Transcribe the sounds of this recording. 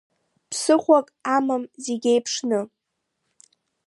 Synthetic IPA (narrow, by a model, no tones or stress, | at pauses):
pʰsɨχʷakʼamamzeɡʲejpʰʂnɨ